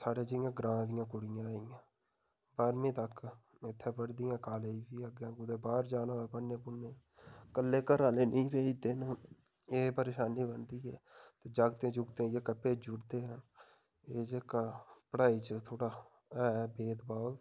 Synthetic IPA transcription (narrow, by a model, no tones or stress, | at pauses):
saːɽeːd͡ʒəɪjãːɡɾãːd̪ɪjãːkʊɽɪjãːijãː | baːɾmĩːt̪əkː | ɪt̪ʰːẽːpəɽd̪ɪjãːkaːleːiːʋiːəɡjãːkʊd̪eːbaːɾd͡ʒaːnãːɛːpəẽːpʊnːeː | kəlːeːkəɾaːleːnĩːpeːid̪ɪn | eːpəɾeːʃaːniːbənd̪iːɦɛ̰ːt̪eːd͡ʒaːɡt̪ẽːd͡ʒʊɡt̪ẽːd͡ʒeːkəpːeːd͡ʒʊɽd̪eːɦən | eːd͡ʒeːkapəɽaːiːt͡ʃət̪ʰoːɽaː | ɛːbeːd̪baːl